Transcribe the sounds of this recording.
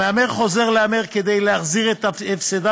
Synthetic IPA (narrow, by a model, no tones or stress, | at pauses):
eameʁχozeʁleameʁked̪ejleaχziʁɛt̪aefseda